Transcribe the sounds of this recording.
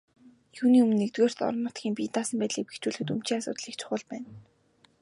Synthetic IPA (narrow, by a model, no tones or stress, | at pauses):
juːniːumɵ̆nːekt̪ɣoːr̥t̪ɔ̰rnːʊt̪ɡʲiːmpiːt̪aːsə̆mpæːt̪ɮiːk̚pe̥xt͡ɕuːɮɘ̆xɘ̆t̪um̥t͡ɕiːŋasʊ̰ːt̪ɮiːk̚t͡ɕʰʊ̥χʊ̆ɮpæːn